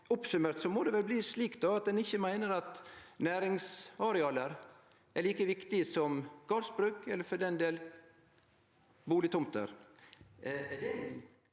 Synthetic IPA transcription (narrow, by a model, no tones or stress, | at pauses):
ɔpsʉmeːɾt̪sɔmɔd̪ɛʋɛlbliːsliːkt̪̚d̪ɑɑt̪̚d̪ɛnɪçːəmæɪnəɾɑt̪næːɾɪŋsɑɾɛɑːləɾ | æɭiːkəʋɪkt̪ɪəsɔmɡ̥ɑɾsbɾʉːkɛlːəɾfɔɖ̪ɛnd̪eːl | buːlɪt̪ʰʊmt̪ə̰ɾ | d̪ɛ